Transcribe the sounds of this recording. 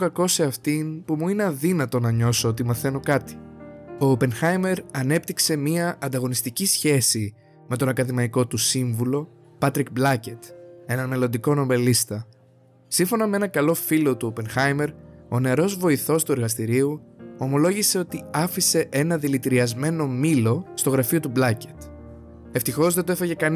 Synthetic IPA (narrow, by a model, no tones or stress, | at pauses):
okɐko̞se̞ɐft̪impumuine̞ɐðinɐt̪o̞nɐɲo̞soot̪̬imɐθe̞nokɐt̪i̥o̞ːpe̞nxɐjme̞ɾɐne̞pt̪ikse̞miɐʔɐnd̪ɐɣo̞nist̪icisçe̞si | me̞t̪o̞nɐkɐðimɐiko̞t̪usiɱvulo̞ | pɐt̪ɾik̚blɐce̞t̪e̞nɐnme̞lo̞nd̪iko̞no̞belist̪ɐ | siɱfo̞nɐmeenɐkɐlo̞filo̞t̪uope̞nxɐjme̞ɾo̞ne̞ɾo̞zvo̞iθo̞st̪ue̞ɾɣɐst̪iɾiuo̞mo̞lo̞ʝise̞o̞t̪iɐfise̞ʔe̞nɐðilit̪iɾiɐzme̞no̞milo̞st̪o̞ɣɾɐfio̞t̪ublɐce̥t̪ | e̞ft̪ixo̞zðet̪oefeʝe̞kɐn